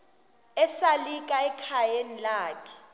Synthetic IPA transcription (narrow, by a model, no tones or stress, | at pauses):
ɛsalikʼaɛkʰajenilaːkʰɛ̥